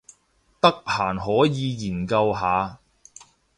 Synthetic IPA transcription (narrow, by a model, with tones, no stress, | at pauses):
t̪ɐ˥k̚hʰaː˨˩nɦɔː˨˥jiː˨˧jiː˨˩nkɐ˧wɦaː˨˧